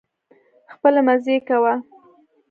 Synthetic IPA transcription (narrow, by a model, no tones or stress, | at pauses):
xpəlamazekawa